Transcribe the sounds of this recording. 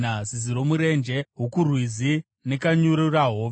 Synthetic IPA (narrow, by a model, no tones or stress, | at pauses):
aziziɾo̞muɾe̞nd͡ʒe̞ɦokurwizi | ne̞kaɲuɾuraɦoːʋ